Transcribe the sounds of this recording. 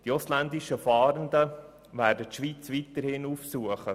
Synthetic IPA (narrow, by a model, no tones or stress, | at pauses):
d̥ioslænd̪ɪʃəfɑːɾənd̪ə | ʋæːɾdət̪ʃʋiːt͡sʋiːt̪əɾhɪnufsuəχə